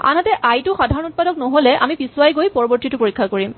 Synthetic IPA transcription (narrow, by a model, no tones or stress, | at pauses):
a̰nɦatɛʔajtʊxadʱaɹɔ̃nut̚padɔknɔɦolɛʔa̰mipisuwajɡojpɔɹɔbɔɹtitʊpoɹikʰːakoɹim